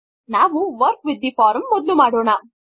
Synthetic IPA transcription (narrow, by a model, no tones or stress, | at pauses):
naːʋuʋɐɾkʋid̪ːipaːɾɐmːɔd̪lumaːɽɔːɳa